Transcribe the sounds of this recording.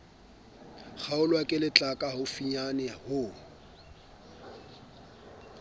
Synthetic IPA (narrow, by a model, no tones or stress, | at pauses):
k͡xʰaʊlwakʼɪlɪt͡ɬʼakʼaɦʊfiɲanɪhʊ